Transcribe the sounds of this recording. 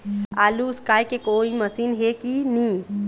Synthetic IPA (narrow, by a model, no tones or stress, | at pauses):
aːluskaːjkekoːiməsiːnɦekinĩ